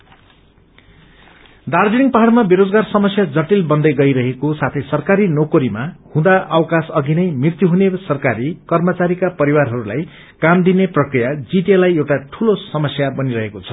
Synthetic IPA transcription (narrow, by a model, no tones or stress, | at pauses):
d̪ard͡ziɽiŋpaɦaɽmabeɾod͡zɡarsʌmʌsjad͡zʌʈilbʌnd̪ʌjɡʌjɾʌɦekosat̪ʰʌjsʌrkaɾinokoɾimahũd̪aʔʌwkasʌɡinʌjmrirt̪juɦunesʌrkaɾikʌrmʌt͡saɾikapʌɾiwarɦʌɾula̰j | kamd̪ineprʌkrijad͡ziʈelajewʈaʈʰulosʌmʌsjabʌniɾʌɦekot͡sʰʌ̥